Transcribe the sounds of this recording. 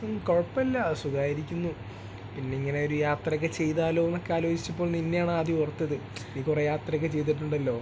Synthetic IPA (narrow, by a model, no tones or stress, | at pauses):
koɻɐpːɐlːɐsuɡaːjiɾikʲːunːu | pinːe̞iŋːɐne̞o̞ɾujaːt̪rɐkːet͡ɕe̞jðaːlo̞ːenːo̞kːeaːlo̞ːd͡ʑit͡ɕːɐpːo̞ːɭlninːejaːɳɨaːd̪iurɐt̪ːɐðɨniːkurejaːt̪rɐkːet͡ɕe̞jt̪̬ːiʈːuɳɖɐlːo̞ː